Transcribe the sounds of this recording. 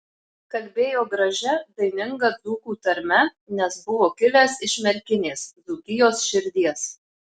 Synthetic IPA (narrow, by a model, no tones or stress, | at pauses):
kɐlʲbʲeːjoːɡɾɐʒʲɛd̪ɐɪnʲɪŋɡɐd̪zuːkuːt̪ɐɾʲmʲɛ | nʲɛsbʊʋoːkʲɪlʲeːsɪʃʲmʲɛɾʲkʲɪnʲeːsd̪zuːkʲɪjoːsʃʲɪɾʲd̪ʲiɛs